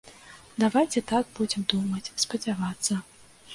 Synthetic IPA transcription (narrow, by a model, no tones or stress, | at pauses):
d̪avajt͡sʲɛt̪aɡ̚bud͡zʲɛmd̪umɐt͡sʲspɐd͡zʲavat̪sːɐ